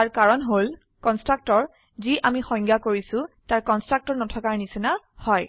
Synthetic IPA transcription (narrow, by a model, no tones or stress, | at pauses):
aɹkaɹɔnɦol | kɔnstɹak̚tɔɹ | ziʔamixɔ̃ŋɡakoɹisʊ̃taɹkɔnstɹak̚tɔɹnɔtʰɔkaɹnisina | hɔj